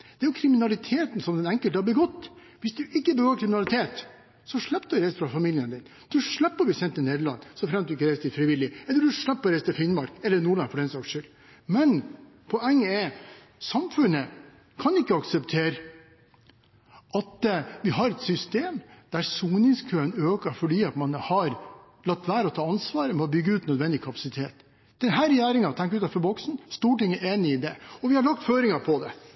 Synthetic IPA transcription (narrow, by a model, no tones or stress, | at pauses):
d̪̥ɛæɾjʊkʰɾɪmɪnɑlɪt̪ʰeːt̪n̩sɔmd̪ɛnɛŋkəlt̪əhɑbəɡɔt̪ː | ʋɪsd̪ʉʔɪkːəbəɡoːɾkʰɾɪmɪnɑlɪt̪ʰeːt̪ | sɔʂɭɛpːd̪ɾæɪsəfɾɑfɑmiːlɪənd̪ɪn | d̪̥ʉʂɭæpːəbɛsjɛnt̪ɪneːd̪əlɑ̰nːsɔfɾɛmt̪d̪ɪkːəɾæɪst̪ʰɪlfɾɪʋɪlːɪɛləd̪ʉʂɭæpːɔɾæɪst̪ɪfɪnmɑɾkɛlːənuːɖɭɑŋfɔɖɛnsɑkʂʉl | mɛn | pʰɔɛŋːəɛ | sɑmfʉnə | kʰɑnɪkːəɑksəpt̪ʰeːɾ | ʔɑt̪ʋɪɦɑɾɛt̪sʏst̪eːmd̪̥æɾsuːnɪŋskʰøːənøːkəfɔɖiːɑt̪mɑnhɑɾ | lɑkt̪ːʋæːɾɔt̪ʰɑːɑnsʋɑːɾəmɔbʏɡːəʉːt̪nœd̪ʋɛnd̪ɪkʰɑpɑ̥sɪt̪ʰeːt̪ | d̪̥ɛnɦæːɾɛjæːɾɪŋɑt̪ʰɛŋkəʉːt̪ɛfɔɾbɔksn̩st̪uːʈɪŋːəʔeːnɪɪd̪ɛɔʋɪhɑɾɭɑk̚t̪føːɾɪŋɑpʰɔd̪ɛ̰